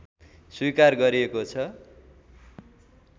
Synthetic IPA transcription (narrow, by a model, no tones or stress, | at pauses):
swikarɡʌɾiekot͡sʰʌ